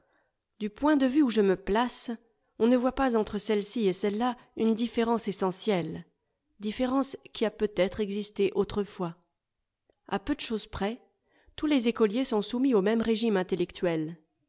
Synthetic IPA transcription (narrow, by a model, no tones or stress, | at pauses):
d̪ypwɛ̃d̪əvyuʒəməplas | ɔ̃nəvwapazɑ̃t̪χəsɛlsiesɛlːaynd̪ifeʁɑ̃sesɑ̃sjɛl | d̪ifeʁɑ̃skʲiapøt̪ɛt̪χɛɡzist̪eʔot̪χəfwa | a̰pød̪əʃozpχɛ | t̪ulezekɔljesɔ̃sumiomɛmʁeʒimɛ̃t̪elɛkt̪ɥɛl